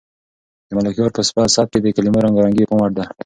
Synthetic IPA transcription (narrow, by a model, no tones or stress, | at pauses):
d̪əmalakjoɾpəspasɑb̚ked̪əkalimoɾaŋɡaɾaŋɡepəmaʈ̚d̪a